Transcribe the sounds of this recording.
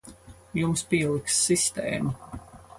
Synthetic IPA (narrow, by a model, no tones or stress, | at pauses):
jumspiɛlˠiksːist̪ḛːmu